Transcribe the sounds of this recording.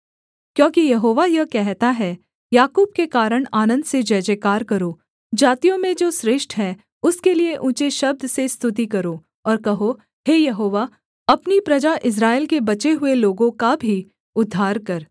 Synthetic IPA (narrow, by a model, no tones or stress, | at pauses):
kjõːkijɐɦoːʋajɐkɛɦt̪aɦɛ | jaːkuːb̚kekaːɾəɽ̃aːnə̃nd̪sed͡ʒɐːd͡ʒekaːɾkɐɾoː | d͡ʒaːt̪ijõmẽd͡ʒoːsɾɪʃʈʰɦɛ | ʊskelieʔũt͡ʃeʃɐb̚d̪ʱsest̪ʰʊt̪̬ikɐɾoː | ɔːɾkɐɦo | heːjɐɦoːʋa | ɐpnipɾɐd͡ʒaʔɪs̬ɾaːɪlkebɐt͡ʃeɦʊeloːɡõkabʱi | ʊd̪ʱːaːɾkɐɾ